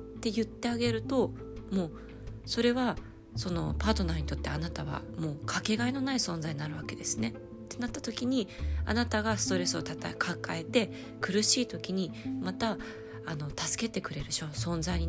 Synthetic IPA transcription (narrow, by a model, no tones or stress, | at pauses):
t̪e̞jɯ̟t̪ːe̞aɡe̞ɾɯ̟t̪o̞ | mo̞ː | so̞ɾe̞βa | so̞no̞̰paːt̪o̞naɲ̟it̪o̞t̪ːeanat̪aβ̞a̰mo̞ːkʰake̞ɡaino̞naisõ̞ñzaiɲinaɾɯ̟βake̞d̪e̞sɨne̞ | t̪ːe̞nat̪ːat̪o̞kʲiɲ̟ia̰nat̪aɡasɨ̥t̪o̞ɾe̞sɨo̞t̪at̪a̰kʰakae̞t̪e̞ | kɯ̟ɾɯ̟ɕiːt̪o̞kʲiɲ̟imat̪aː | no̞t̪asɨ̥ke̞t̪e̞kɯ̟ɾe̞ɾɯ̟ɕo̞sõ̞nzaiɲ̟i